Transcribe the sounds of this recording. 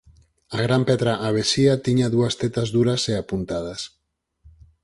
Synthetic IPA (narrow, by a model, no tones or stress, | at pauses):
aɣɾampɛt̪ɾaʔːβ̞esiat̪iɲaðuast̪et̪azðuɾaseapunt̪að̞as